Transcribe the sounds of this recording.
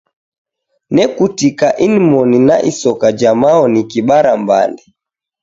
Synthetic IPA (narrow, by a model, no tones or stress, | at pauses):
nɛkutikaʔinimɔnina̰ʔisɔkad͡ʒamaɔnikiɓaɾamba̰ndɛ